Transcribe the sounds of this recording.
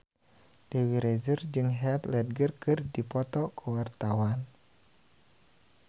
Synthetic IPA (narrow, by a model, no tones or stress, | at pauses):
d̥ewiɾɛzərd͡ʒɨŋɦɛt̪lɛd̚ɡərkɨrdipɔt̪ɔkʰəwart̪awan